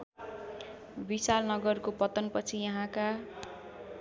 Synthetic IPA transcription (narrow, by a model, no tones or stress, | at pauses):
bisalnʌɡʌrkopʌt̪ʌnpʌt͡sʰijʌɦãka